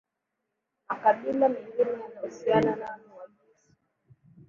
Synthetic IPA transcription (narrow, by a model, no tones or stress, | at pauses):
makaɓilamiŋɡinijanahusiananaanuwaɓisi̥